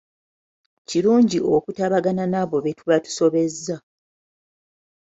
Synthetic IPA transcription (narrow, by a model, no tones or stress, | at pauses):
ciɾuːɲɟiʔo̞kutaβaɡananaβo̞βe̞tuβatu̥so̞βe̞zːa